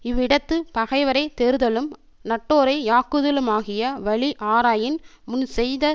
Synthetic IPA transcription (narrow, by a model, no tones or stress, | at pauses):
ɪʋɪɽɐt̪ːɯpɐɣɐɪʋɐɾɐɪt̪ɛɾɯðɐlɯm | nɐʈːoːɾɐɪaːkɯðɪlɯmaːɣɪjɐʋɐɭiʔaːɾaːjɪnmʊnsɛjðɐ